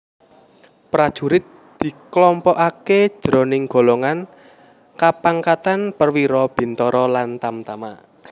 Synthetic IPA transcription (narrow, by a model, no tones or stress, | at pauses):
pɾad̥ʒ̥ṳɾɪt̪̚ | d̪̥i̤klɔmpɔʔaked̥ʒ̥ɾɔ̤nɪŋɡ̥o̤lɔŋan | kapaŋkat̪anpərwiɾɔb̥i̤nt̪ɔɾɔlant̪amt̪ama̰